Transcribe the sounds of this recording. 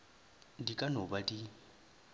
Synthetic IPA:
dikʼanobadi

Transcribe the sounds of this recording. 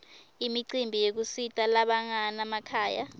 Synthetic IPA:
imiǀimbʱijek̬usitʼalaɓaŋanamakʰaːja̰

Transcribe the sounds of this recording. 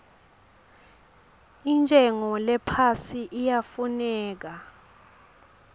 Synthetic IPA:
int͡ʃʼɛŋɔlɛpʰasiʔijafunɛːk̬a

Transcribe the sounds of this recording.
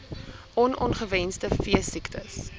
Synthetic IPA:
ʔɔnɔnχəvɛnstəfiəsiktəs

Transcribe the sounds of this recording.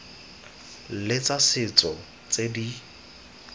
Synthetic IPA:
lɪt͡sasɪt͡sʼɔ | t͡sedi

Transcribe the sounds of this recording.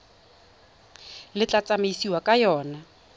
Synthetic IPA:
lɪt͡ɬʼat͡sʼameisiwakʼajɔːna

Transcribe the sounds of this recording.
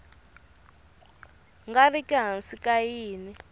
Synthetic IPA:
ŋɡarikʼɛɦansikʼajiːni

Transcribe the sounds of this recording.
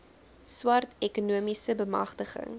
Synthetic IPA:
swɐrtʰɛkunuəmisəbəmɐ̰χtəχə̰ŋ

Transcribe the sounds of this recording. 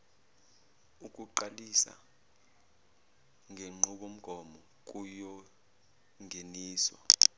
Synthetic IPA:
uk̬ʼuǃalisa̰ | ŋʱeŋ͡ǃʱuɓ̬om̩ɡ̥ʱɔmɔ | k̬ʼujɔ | ŋʱeniːswa̰

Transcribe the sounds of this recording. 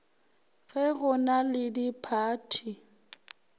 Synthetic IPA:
ɣɛɣʊnalɪdipʰaːtʰi

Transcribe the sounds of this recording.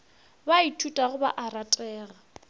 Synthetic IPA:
baitʰutʼaɣʊba̰ʔaratʼɛːɣa

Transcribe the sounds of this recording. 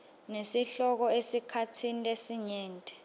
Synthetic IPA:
nesiɬɔk̬ɔesikʰatʰinilesiɲɛːntʼɛ̥

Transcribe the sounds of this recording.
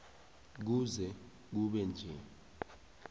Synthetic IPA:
k̬uzɛ | k̬uɓɛnd͡ʒʱɛ

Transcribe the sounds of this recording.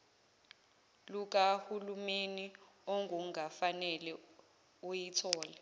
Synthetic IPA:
luk̬ahulumeni | ɔŋʱuŋʱafanɛlɛ | ujitʰɔːlɛ

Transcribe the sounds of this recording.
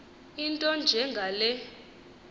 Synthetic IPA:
intʼɔnd͡ʒʱɛŋɡʱalɛ

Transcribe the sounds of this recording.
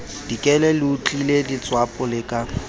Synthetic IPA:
d̥ikʼɛlɛlɪut͡ɬʼiledɪt͡sʼwapʼɔlɪkʼa

